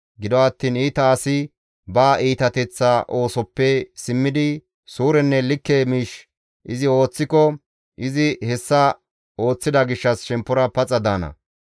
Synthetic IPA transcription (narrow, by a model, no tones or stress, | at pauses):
ɡɪd̪ɔɐt̪ːiːniːt̪ɐːsɪ | baːʔiːt̪ɐt̪ɛt͡sːaʔo̞ːsɔpːɛsɪmːɪd̪ɪ | suːɾɛnːɛlɪkːemiːʃ | ʔɪzɪo̞ːt͡sːɪkɔ | ʔɪzɪhɛsːɐ | o̞ːt͡sːɪd̪ɐɡɪʃːɐsʃɛmpːɔɾɐpɐt͡sʼːɐd̪aːnɐ̰